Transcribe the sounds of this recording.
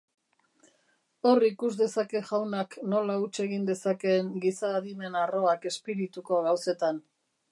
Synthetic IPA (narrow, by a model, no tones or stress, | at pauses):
o̞rikuzd̪e̞sake̞ʝawnakno̞laut͡ʃe̞ɣind̪e̞sake̞ŋɡisaːðime̞naro̞ake̞spiɾit̪uko̞ɣawse̞t̪an